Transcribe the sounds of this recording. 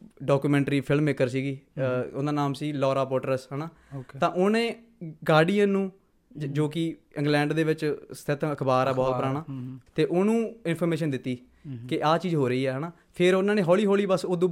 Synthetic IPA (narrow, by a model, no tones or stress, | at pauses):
ɖɔːkuːmɛ̃ːɳʈɾiːpʰɪlmːeːkəɾsiːɡiːʊnd̪aːnaːmsiːlɔːɾaːpoːʈəɾəsɦɛːnaː | t̪ãːʔʊnẽː | ɡaːɖiə̃ːnũː | d͡ʒoːkɪɪ̃ŋɡlɛ̃ːɳɖd̪eːʋɪt͡ʃst̪ʰɪt̪ʰəkʰbaːɾɛːbɔːt̪pəɾaːnaːt̪eːʔʊnũːɪnpʰɔːɾmeːʃənd̪ɪt̪ːiː | kɪʔaːt͡ʃiːzɦoːɾəiːɛːɦɛnaː | pʰɪɾonãːnẽːɦɔːliːɦoːliːbəsod̪õː